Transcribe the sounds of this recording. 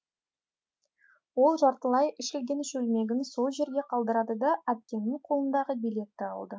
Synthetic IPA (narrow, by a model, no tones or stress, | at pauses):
wo̞lˠʒɑɾt̪əlˠɑjɪʃʲelɡʲe̞nɪʃɵlme̞ɡʲɪnso̞lˠʒe̞ɾɡʲe̞qʰɑlˠd̪əɾɑd̪əd̪ɑʔæp̚kʲe̞nːɪŋqʰo̞lˠənd̪ɑʁəbijle̞t̪ːɪɑ̰lˠd̪ə